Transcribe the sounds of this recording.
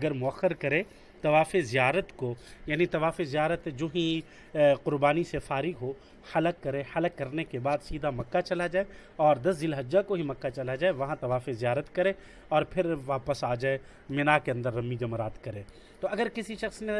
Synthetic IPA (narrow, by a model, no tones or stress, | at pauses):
ɐɡəɾmʊɐxːəɾkɐɾẽː | t̪ɐʋaːfezijaːɾət̪kojaːnit̪ɐʋaːfezijaːɾət̪d͡ʒoːɦi | qʊɾbaːnisefaːɾɪɡɦo | hɐləkːɐɾẽhɐləkːɐɾnekebaːd̪siːd̪ʱamɐkːat͡ʃɐlad͡ʒaːeɔːɾd̪ɐsd͡ʒ̪ɪlɦɐd͡ʒakoɦimɐkːat͡ʃɐlad͡ʒaːeʋɐɦãt̪ɐʋaːfezijaːɾət̪kɐɾẽː | ɔːɾpʰɪɾʋaːpəsaːd͡ʒaːe | mɪnakeɐ̃nd̪əɾːɐmːid͡ʒɐmɾaːt̪kɐɾẽː | t̪oɐɡəɾkɪsiʃɐxsne